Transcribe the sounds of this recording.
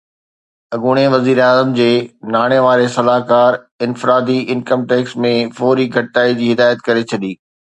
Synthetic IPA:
ɐɡuɽ̃eʋɐziːɾaːzəmd͡ʑeːnaːɽ̃eʋaːɾesɐlaːɦkaːɾ | ɪnfɪɾaːd̪iɪnkəmʈeːksmẽfɔːɾiɡʱɐʈʈaːid͡ʑiːɦɪd̪aːjət̪kɐɾet͡ɕʰɐɗiː

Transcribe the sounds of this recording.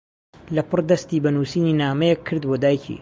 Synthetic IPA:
lɐpʰɨrd̪ɐst̪iːbɐnuːsiːniːnaːmɛjɛkʰːɨɾd̪bod̪aːjcʰḭː

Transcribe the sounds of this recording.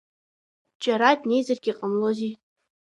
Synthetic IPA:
d͡ʒʼaɾadne̞jzarɡʲiqʼəmlozi

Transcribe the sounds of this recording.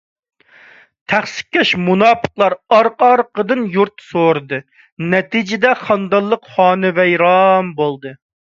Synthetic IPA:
t̪ʰæχsɪ̥k̚ʲʰːɛʃmunɑːpʰə̥qlˠɑɾɑɾqɑɾqəd̪ɨnjuɾt̪soɾɨd̪ɨ | nɛt̪id͡ʒɪd̪ɛχɑnd̪ɑlˠːəqχɑːnɨvɛjɾɑmbolˠd̪ɨ

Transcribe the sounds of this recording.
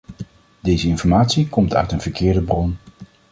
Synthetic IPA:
dejzəɪnfɔɹmaːtsikɔmtœ̰ɥtənv̥əɹkɪːɹdəbrɔn

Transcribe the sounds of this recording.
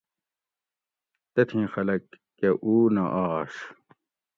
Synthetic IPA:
t̪ɐt̪ʰĩːxɐlɐkː | eʔuːnɐʔaːʂ

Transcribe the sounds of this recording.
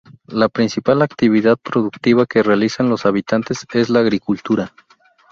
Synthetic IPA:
lapɾinsipalakt̪iβ̞iðaðpɾo̞ðukt̪iβake̞realisanlo̞saβit̪ant̪e̞se̞zlaːɣɾikult̪uɾa

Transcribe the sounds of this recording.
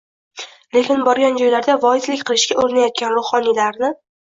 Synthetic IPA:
lelʲɪnbɒɾɡʲand͡ʒɒjlaɾd̪avɒɪzlɪkʲqʰɨlɪʃɡʲaʔoɾɪnajɒt̪̚kʲanɾʊχɒnilaɾnɪ

